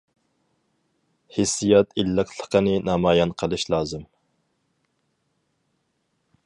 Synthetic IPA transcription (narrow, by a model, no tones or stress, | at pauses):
hisːijɑt̪ʰilːəqʰlˠə̥qʰənɨnɑmɑːjɑnqʰəlˠɨʃlˠɑːzɨm